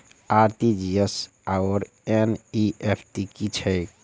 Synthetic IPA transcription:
aɾt̪id͡ʒies | aɔɾ | eniepʰʈikit͡ʃʰɛj

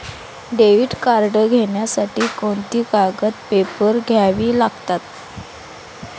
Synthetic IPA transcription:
ɖeʋiːɖkaɾɖəɡʱeɳjasaʈiːkoɳt̪iːkaɡət̪pepəɾɡʱjaʋiːlaɡt̪at̪

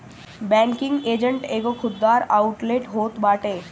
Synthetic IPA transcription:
bɛ̃ːŋkɪ̃ŋɡeːd͡ʒəɳʈeːkokʰʊd̪ːaːɾaːʊʈleʈɦoːt̪baːʈeː

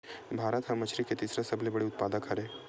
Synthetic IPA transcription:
bʱaːɾət̪ɦɐ̃mɐt͡ʃʰɾiket̪iːsɾasɐblebɐɽiʊt̪̚paːd̪əkɦɐɾeː

